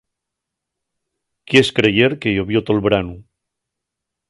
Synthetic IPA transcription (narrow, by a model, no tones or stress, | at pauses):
kieskɾejeɾkejoβjot̪olβɾanu